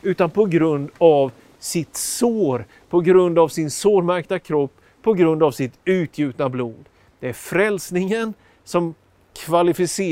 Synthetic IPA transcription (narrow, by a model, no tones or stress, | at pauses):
ʉ̟ːt̪anpʰɔɡɾɵnd̪av | sɪt̪soːɾ | pʰɔɡɾɵnd̪avsɪnsoːɾmæɾk̚t̪akʰɾɔpː | pʰːɔɡɾɵnd̪avsɪt̪ʉ̟ːt̪ʰjʉ̟ːt̪nabluːd̪ | d̪̥ɛæɾfɾɛlsnɪŋən | sɔm | kʰvalɪfɪseː